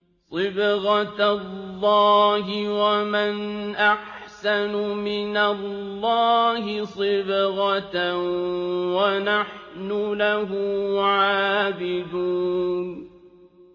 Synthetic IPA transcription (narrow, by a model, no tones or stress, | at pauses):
sˤɨbɣɑtlːɑːɦɪwamanʔaħ | sanʊmɪnalːɑːhɪsˤɨbɣɑ | wanaħnʊlaɦʊʕaːbɪd̪uːnn